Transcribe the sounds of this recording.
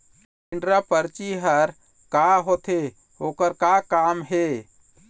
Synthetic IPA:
iɳɖɾapəɾt͡ʃiɦəɾ | kaɦot̪ʰe | okəɾkakamɦe

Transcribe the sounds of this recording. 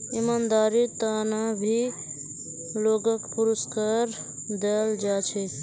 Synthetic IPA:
ɪmaːnd̪aːɾit̪anabʱi | loːɡəkpʊɾəskaːɾ | d̪eəld͡ʒaːt͡ʃʰe

